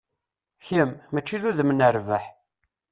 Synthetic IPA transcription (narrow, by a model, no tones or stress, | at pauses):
çəmmæt͡ʃːiðuðəmənəɾvəħ